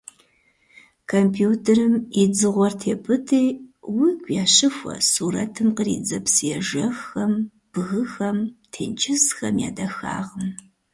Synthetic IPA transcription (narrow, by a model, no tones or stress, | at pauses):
kʰompʰjuːtʰerɨmid͡zɨʁʷɔrtʰeːpʰɨtʰejwiɡʷʼjaːɕɨfʷɐ̰suːɾɐtʰɨmqərḭːd͡zɐpsɨjɛʒɐxɐm | b̥ɣɨxɐmtʰḛːnt͡ʃʰɪsxɐmja̰ːdɐxa̰ːʁəm